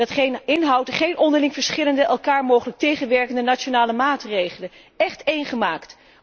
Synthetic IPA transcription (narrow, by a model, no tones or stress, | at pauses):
ɑtχejnɪnɦɑwtχejnɔndəɹlɪŋv̥əɹsχɪləndəʔɛlˠkaːɹmowχələk̚tejχənʋɛɹkəndənat͡ʃonaːləmaːtrejχələn | ɛχtejnχəmaːkt